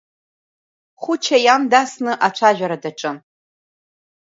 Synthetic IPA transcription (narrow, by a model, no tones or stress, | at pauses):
χʷʊt͡ʃʰajamdasnɨʔat͡ʃʷʰaʒᶣʷaɾadaʈ͡ʂʼɨ